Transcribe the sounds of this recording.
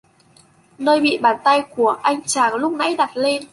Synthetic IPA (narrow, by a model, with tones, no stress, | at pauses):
nəː˧jɓḭ˧˨ɓaː˨˩nt̪a˧jku˧˩əʔa˧jŋ̟t͡ɕaː˧˩ŋlʊ˦˥k͡p̚na̰˧˥jɗa˨˩t̚le˧n